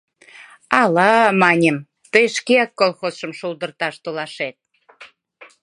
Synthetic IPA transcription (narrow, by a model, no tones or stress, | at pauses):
ɑlɑmɑnʲəm | t̪əjʃkeɑkːolxosʃəmʃulˠd̪ərt̪ɑʃt̪olɑʃet̪̚